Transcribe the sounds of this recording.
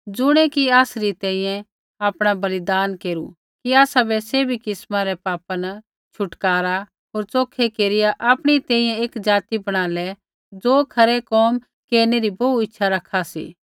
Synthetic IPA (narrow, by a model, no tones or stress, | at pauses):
d͡zʊɽ̃ɛkiaːsɾit̪ɛ̃ːĩːjɛ̃ | aːpɽ̃abɐlɪd̪aːnkeːɾṵ | kiaːsabɛseːbʱikɪsmaɾɛpaːpɐn | t͡ʃʰʊʈkaːɾa | ɦoːɾt͡soːkʰekeːɾɪjaʔaːpɽ̃it̪ɛ̃ːĩjɛ̃eːkd͡ʒaːt̪ibɐɽ̃aːlɛ | d͡zoːkʰɐɾɛkɔːm | keːɾneɾibɐuɪtːʃʰaɾɐkʰasḭː